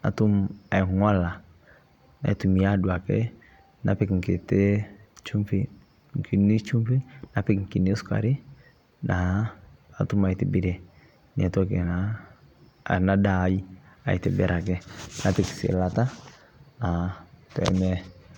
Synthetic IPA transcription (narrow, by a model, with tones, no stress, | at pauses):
a̰˨tu˦ma˨i˨ŋa˦la˨ | na̰˨i˦tu˨mi˨a˦dwa˨kɛ̰˦ | na̰˦pɛ˦˨kŋ̩˨ke˨te˦t͡ʃu˦mfi˦ | ŋ˨ki˨ni˦t͡ʃu˦mpi˦na˨pɪ˦kŋ̩˨ki˨ne˦ska̰˨ɾi˦ | na˨ | a˨tu˦ma˨i˨tɛ˨bɪ˦dɛ˨ | n˨a˨tu˦a˦kɛ˨na˨ | na˦da˨ji˦a̰˨i˨tɛ˨bɛ˨ɾʔa˨kɛ˦na˦pɛ˦ksɪ̰˨la˨ta˦ | na˨tɛ̰˨mɛ˦